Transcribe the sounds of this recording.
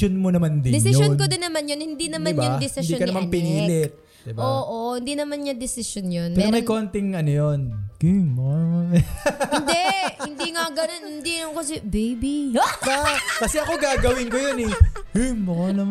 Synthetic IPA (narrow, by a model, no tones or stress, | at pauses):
onmonɐmand̪ɪd̪ɛnsɪjjonkod̪ɪnːɐmanjonhɪnd̪inɐmanbɲad̪ɛsɪnd̪ikɐnɐmanpɪniːlɪt̪̚ | d̪ɪboːʔohɪnd̪inɐmanɲɐd̪ɛsɪʃonjonɛːɾomɐjko̞nt̪ɪŋʔɐnojonkimo | nd̪ɛɪnd̪iŋɐɡɐnonhɪnd̪ilɐnkɐs̬ɛbejbibakɐsɛʔɐko̞ɡaːɡɐwɪŋkojonɛkɪjmɐnɐ